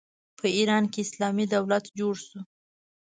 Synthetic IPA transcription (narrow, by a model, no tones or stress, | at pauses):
pʰəiɾɑnkeɪslɑmid̪awlat̪d͡ʒoɽsu